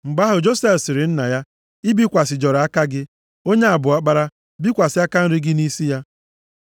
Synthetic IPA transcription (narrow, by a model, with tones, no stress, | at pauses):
ŋ͡m̩˨ɡ͡ba˦ɦʊ˨d͡ʒo˦se˦fsɪ˨ɾɪ˨n̩˦na˨ja˦ | i˦bi˦kʷa˨sɪ˨d͡ʒɔ˨ɾa˦ka˦ɡɪ˦ | o˦ɲe˦a˨bʊ˨a˦k͡pa˦ɾa˦ | bi˦kʷa˨sɪ˨˦a˦ka˦n̩˦ɾɪ˦ɡɪ˦ni˦si˦ja˦